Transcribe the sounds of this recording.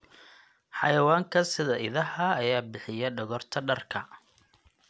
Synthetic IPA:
ħɑ̰jɐwaːŋkʰɐsɪðɐʔɪðɐɦɐːjaːbɪħɪjɐɖɐɣɔrt̪ʰɐɖɐrkʰɐ

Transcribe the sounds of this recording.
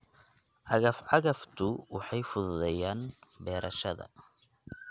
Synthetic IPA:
ʕɑɣɐfʕɑɣɐft̪ʰʊwɑħɑjfʊðʊðɛjaːnbɛːɾʔɐʃɐðɐ̰

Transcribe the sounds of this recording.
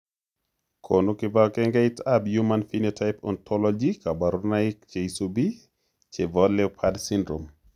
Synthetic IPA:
kʰonukɪbakɛŋɡaɪtabjumanfinetʰaɪpɔ̰ntʰɔlɔd͡ʒikabaɾunaɪk̚t͡ʃeisobi | t͡ʃebɔlɛpʰadsindɾom

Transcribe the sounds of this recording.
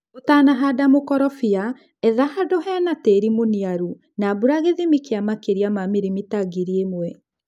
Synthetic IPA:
otaːnaɦadamokɔɾɔfia | ɛðahadɔɦɛanateɾimoniaɾu | nabuɾaɣeðemikeamakeɾiamamiɾimitaɡiɾiemwɛ

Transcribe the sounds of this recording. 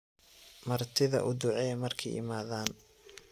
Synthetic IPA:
mɐrt̪ʰɪðɐ̰ʔʊd̪ʊʕɛmɐrkʰɛ̰jɪ̰maːðaːn

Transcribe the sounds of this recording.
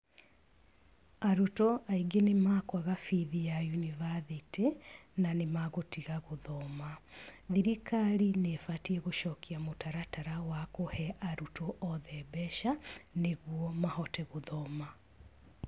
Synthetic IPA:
aɾutɔaiɡenemakwaɣafiðijajunivaðitenanemaɣotiɣaɣoðɔmaðiɾikaɾinefatiɛɣoʃɔkiamotaɾataɾawakohɛʔaɾutoʔɔðɛbɛʃaneɣwɔmahɔtɛɣoðɔma

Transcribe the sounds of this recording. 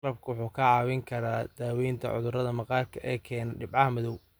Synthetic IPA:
lɐb̚kʰʊwʊħuːkʰɐʕɑːwɪŋkʰɐɾaːd̪̥aːwɛjnt̪ʰɐ̰ʕʊ̰ðʊrɐðɐmɐqɑːrkʰɐʔɛːkʰɛːnɐɖɪbʕɑhɐmɪðɔw

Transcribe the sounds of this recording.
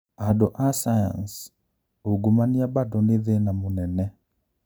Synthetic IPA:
adoʔasaja̰ns | oɡumaniabadɔneðenamonɛnɛ

